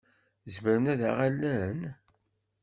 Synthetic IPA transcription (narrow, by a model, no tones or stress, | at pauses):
zməɾənæðæʁælːæn